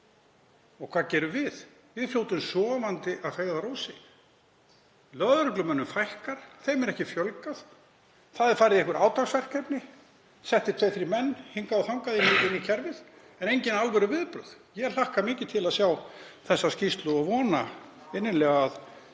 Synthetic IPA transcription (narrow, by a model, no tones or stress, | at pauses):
ɔkʰv̥aːðcɛːɾʏvɪð | vɪðfljowt̪ʏmsɔːvant̪ɪʔaðfeːjɣðaɾowsɪ | lœðɾʏklʏmɛnːʏmfajhkaɾ̥θejmɛɾɛhcɪfjœlkað | θaðɛɾfaːɾɪðɛhkvʏɾʔaːwt̪ʰaksvɛr̥kɛpnɪ | sɛht̪ɪt̪ʰejfɪɾɪmɛnːhiŋkaawθawŋkaðɪnɪɪnːicʰɛɾvɪð | ɛnejɲcɪnalvœɾʏvɪðpɾʏ̰ð | jɛlahkamɪːcɪt̪ʰɪlaðsjawθɛsːascist̪lʏɔɣvɔːna | ɪnːɪlɛːɣaað